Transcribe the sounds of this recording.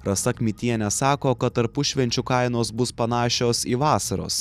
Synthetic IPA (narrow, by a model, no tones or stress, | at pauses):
ɾɐsɐkʲmʲɪt̪ʲiɛnʲɛsɑːkoːkɐt̪ɐɾpʊʃʲʋʲɛnʲt͡ʃʲʊkɐɪnoːs̬bʊspɐnɑːʃʲoːsiːʋɑːsɐɾo̰ːs